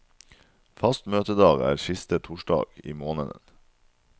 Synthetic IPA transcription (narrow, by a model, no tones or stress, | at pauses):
fɑst̪møːt̪əd̪ɑːɡæ̰ːɾʃɪst̪ət̪ʰʊʃɖɑ̰ːɡ̥ḭːmoːnəd̪ə̰n